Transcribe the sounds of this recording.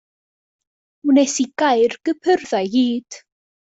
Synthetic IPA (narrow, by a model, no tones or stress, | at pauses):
unesiɡ̥ajrɡ̥əpʰərðajɡiːd̥